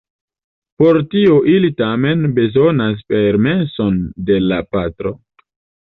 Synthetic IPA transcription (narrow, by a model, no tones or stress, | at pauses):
po̞ɾtioʔilitame̞nbe̞zo̞nas̬pe̞ɾme̞nso̞nde̞lapatɾo̞